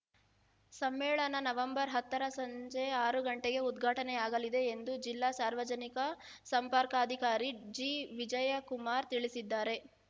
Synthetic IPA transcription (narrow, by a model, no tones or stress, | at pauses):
sɐmːɛːɭɐnɐnɐʋɐmbɐɾɦɐt̪ːɐɾɐsɐɲd͡ʒeaːɾuɡɐɳʈeɡe̞ud̪ɡʱaːʈɐnɛaːɡɐlid̪e̞ːnd̪ud͡ʒilːaːsaːɾʋɐd͡ʒɐnikɐsɐmpaɾkaːɐd̪ʱikaːɾid͡ʒiːʋid͡ʒɐjɐkumaːɾt̪iɭisid̪ːaːɾe̞